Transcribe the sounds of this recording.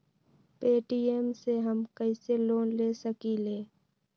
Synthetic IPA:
peːʈiːeːmseɦəmkəiseloːnleːsəkileː

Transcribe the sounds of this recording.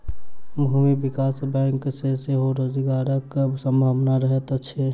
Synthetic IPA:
mʱumibikasbɛ̃ŋkseseɦoɾod͡ʒɡaɾəksə̃mbʱaʋnaɾəɦet̪t͡ʃʰe

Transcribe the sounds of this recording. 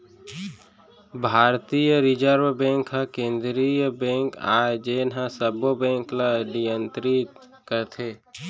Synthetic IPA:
bʱaːɾt̪ijəɾɪd͡ʒəɾʋbɛ̃ːŋkɦãkẽːnd̪ɾijəbɛ̃ːŋka̰ːd͡ʒeːnãsəbobɛ̃ːŋklaɖijənt̪ɾi | kəɾt̪ʰeː

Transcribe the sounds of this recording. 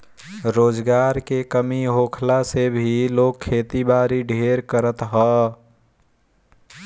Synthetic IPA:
ɾoːd͡ʒɡaɾkekəmiɦokʰlasebʱilokʰːet̪ibaɾiɖʱeɾkəɾət̪ɦɔ

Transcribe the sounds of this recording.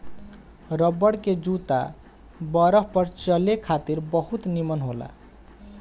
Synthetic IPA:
ɾəbːəɽked͡ʒut̪a̰ | bʌɾəɦpʌɾt͡ʃəlekʰat̪iɾbəɦut̪nimənɦola̰

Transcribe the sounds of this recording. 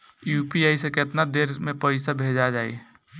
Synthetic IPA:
juːpiaːisekɪt̪nad̪eːɾmẽpəɪsabʱeːd͡ʒad͡ʒaːḛ

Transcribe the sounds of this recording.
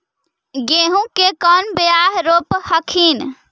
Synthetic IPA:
ɡeɦũkekənbejaɦɾophəkʰin

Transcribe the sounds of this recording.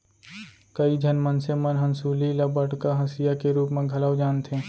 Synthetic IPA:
kəid͡ʒʱənmənsemənɦənsuːliləbəʈkaɦɐsijakeɾuːpmẽɡʱɐləwd͡ʒaːnt̪ʰẽː

